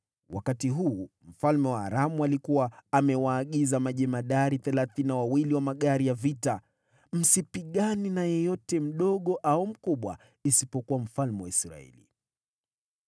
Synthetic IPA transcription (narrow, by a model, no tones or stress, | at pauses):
wʔa̰katiɦuːm̩falmɛwa̰ːɾamualikuwaːmɛwaːɠizamaʄɛmaɗaɾiθɛlaθinawawiliwamaɠaɾijavita | m̩sipiɠaninajɔjɔtɛm̩ɗɔɠɔʔaum̩kuɓwa̰ | isipɔkuwam̩falmɛwaisɾa̰ɛ̰lḭ